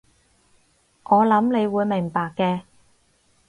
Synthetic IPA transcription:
ŋʔɔː˨˧lɐ˨˥mne˨˧jwuː˨˧jmɪ˨˩ŋpaː˨kːɛː˧

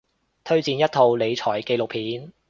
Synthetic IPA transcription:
t̪ʰɵ˥ɥt͡siː˨˧njɐ˥t̚t̪ʰo˨˧wle˨˧jt͡sʰɔː˨˩jke˧jlʊ˨k̚pʰiː˨˥n

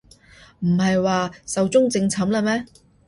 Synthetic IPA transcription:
m̩˨˩hɐ˨jwaː˨˧sɐ˨wt͡sʊ˥ŋt͡sɪ˧ŋt͡sʰɐ˨˥mlɐ˧mɛː˥

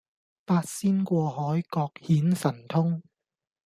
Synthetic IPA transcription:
paː˧t̚siː˥nkʷɔː˧ɦɔː˨˥jkɔː˧k̚hiː˨˥nsɐ˨˩nt̪ʰʊ˥ŋ

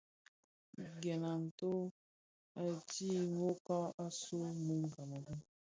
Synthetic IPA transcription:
ɡɛ˨na˨n̩˨to˦ | a˨ti˦ŋo˦ka˦a˦su˦mu˦ŋ̩˨ɡa˨ma˨bu˦

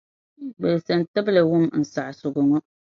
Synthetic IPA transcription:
ɡ͡bɛ˨lsa˨n˨ta˦bla˨wʊ˦˨mn̩˨sa˨ʔsʊ˨ɡʊ˨ŋɔ˦

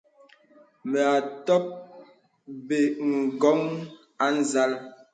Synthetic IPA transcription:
me˨a˨tɔ˦p̚ | be˨ŋ̩˨ɡɔ˨˦ŋ | a˦n̩˦za˦l

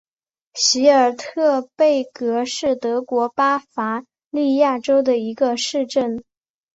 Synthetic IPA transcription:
ɕi˧˥ə˞˨˩t̪ʰɤ˥˧pe˥˩ɪkɤ˧˥ʂɻ̩˥˩t̪ɤ˧˥kwɔ˧˥pa˥fa˧˥ | li˥˧ja˥˩ʈ͡ʂo˥ʊd̪ə˨i˧˥ɡə˧ʂɻ̩˥˧ʈ͡ʂə˥˩n

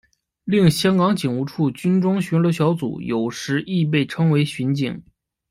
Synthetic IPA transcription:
li˥˩ŋɕjɑ˥ŋkɑ˧˥ŋt͡ɕi˨˩ŋu˧˥ʈ͡ʂʰu˥˩t͡ɕy˥nʈ͡ʂʊ˥ŋɕy˧˥nlɤ˧˥ɕjɑ˧˥ʊt͡sṵ˨˩jo˨˩ʊʂɻ̩˧˥ʔi˥˧p̬e˥˩ɪʈ͡ʂʰɤ˥ŋwe˧˥ɪɕi˧˥nt͡ɕi˨˩˦ŋ

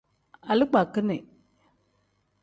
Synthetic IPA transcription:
a˨lk͡pa˨kːɨ˦ne˨

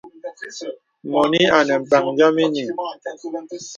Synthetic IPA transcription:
mɔ˨ni˦a˨nɛ˨m̩˨ba˨ŋd͡ʒa˦mi˦ni˨

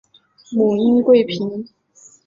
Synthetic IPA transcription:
mu˨˩i˥nkwe˥˩ɪpʰi˧˥n

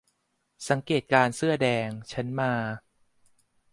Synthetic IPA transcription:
sa˩˦ŋkeː˨˩t̪̚kaː˧nsɯ˥˩ɐdɛː˧ŋt͡ɕʰa˦˥nmaː˧

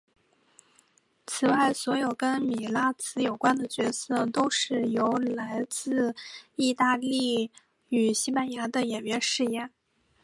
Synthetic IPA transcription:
t͡sʰɹ̩˨˩wa˥˩ɪswɔ˧˥jo˨˩ʊkə˥nmi˨˩la˥t͡sʰɹ̩˧˥jo˨˩ʊkwa˥nd̪ə˨t͡ɕɥɛ˧˥sɤ˥˧t̪o˥ʊʂɻ̩˥˩jo˧˥ʊla˧˥ɪt͡sɹ̩˥˧i˥˧t̪a˥˧li˥˩ | y˨˩ɕi˥pa˥nja˧˥d̪ə˧jɛ˨˩nɥɛ˥nʂɻ̩˥˧jɛ˥˩n

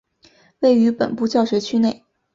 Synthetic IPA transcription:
we˥˩ɪy˧˥pə̰˨˩npu˥˧t͡ɕjɑ˥˩ʊɕɥɛ˧˥ɪt͡ɕʰy˥ne˥˩ɪ

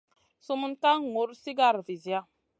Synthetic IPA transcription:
su˦mu˦nta˦ŋ˨ŋo˨˦ɾsi˦ɡa˦˨ɾvi˨zja˦

